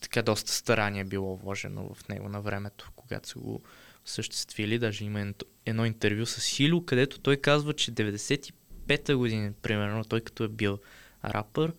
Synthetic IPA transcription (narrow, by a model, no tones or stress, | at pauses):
t̪ɐ̥kad̪ɔst̪ə̥st̪ɐɾʔaniɛbilˠɔvɔʒɛ̰no̰və̰fnɛ̰ɡʊ̰nɐvɾɛmɛt̪o̥koɡa̰t̪o̥sə̰ɡo̰ | səʃt̪ɛ̥st̪vilid̪aʒɛiməɛt̪o | ɛd̪nɔint̪ɛɾvʲjusəsxilʲʊkɐd̪ɛt̪o̥t̪ɔjkazvət͡ʃɛd̪ɛvɛd̪ɛsɛt̪i̥pɛt̪əɡʊd̪inipɾimɛɾnot̪ɔjkɐ̥t̪ɔɛbilˠ | ɾʔa̰pəɾ